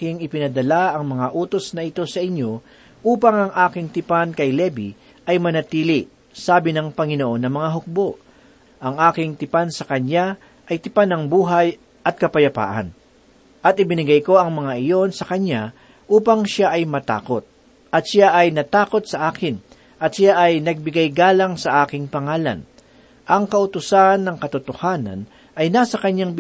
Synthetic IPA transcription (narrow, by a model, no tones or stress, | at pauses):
ɪŋɪpɪnɐd̪ɐlaʔɐŋmɐŋaʔuːt̪o̞snɐɪt̪o̞sɐʔɪɲjo̞ | ʔuːpɐŋɐŋʔaːkɪŋt̪ɪpankɐjlɛbi | ʔɐjmɐnɐt̪iːli | saːbɪnɐŋpɐŋɪnoʔo̞nːɐmɐŋaɦʊk̚bo̞ʔ | ʔɐŋʔaːkɪŋt̪ɪpansɐkɐɲja | ʔɐjt̪ɪpanɐŋbuːɦɐj | ʔɐt̪̚kɐpɐjɐpa̰ːʔɐ̰n | ʔɐt̪ɪbɪnɪɡajko̞ɐŋmɐŋaʔɪjo̞nsɐkɐɲa | ʔuːpɐŋʃaʔɐjmɐt̪a̰ːkot̪̚ | ʔɐt̪̚ʃaʔɐjnɐt̪aːko̞t̪̚sɐʔaːkɪn | ʔɐt̪ʃaʔɐjnɐɡ̚bɪɡajɡaːlɐŋsɐʔaːkɪŋpɐŋaːla̰n | ʔɐŋkɐʔʊt̪ʊsanːɐŋkɐt̪ʊt̪ohaːnɐ̰n | ʔɐjnaːsɐkɐɲːaŋ